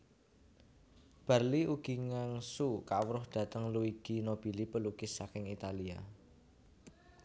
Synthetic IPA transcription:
b̥a̤rliʔuɡ̥i̤ŋaŋsukawɾʊhd̥ä̤t̪əŋluiɡ̥inob̥i̤lipəlukɪsːakɪŋit̪alia

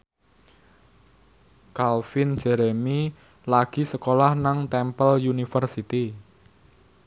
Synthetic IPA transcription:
kalfɪnd͡ʒ̥ɛɾɛmi | laɡ̥i̤səkolahnaŋt̪ɛmpəljunifərsit̪i

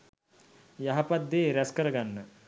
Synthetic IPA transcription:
jaɦɐpad̪ːeɾɛskəɾəɡanːə

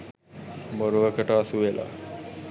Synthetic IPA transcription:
moɾuʋəkʰəʈəːsuʋelʔa̰

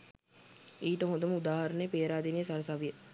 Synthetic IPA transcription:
iːʈəɦod̪əməud̪aːɦɐɾənəjəpeːɾaːd̪inejəsaɾɐsaʋijə

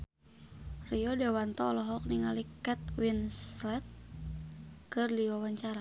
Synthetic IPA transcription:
riɔdɛwant̪ɔːlɔɦɔk̚niŋalikɛt̪̚winslɛt̪̚ | kɨrdiwawaɲt͡ʃaɾa

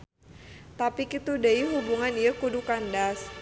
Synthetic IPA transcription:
t̪apikit̪udaiɦubuŋanjakudukandas

